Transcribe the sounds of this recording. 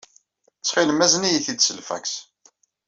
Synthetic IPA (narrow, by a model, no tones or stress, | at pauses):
t͡sːχiləmæznijiθid̪səlfæ̰ks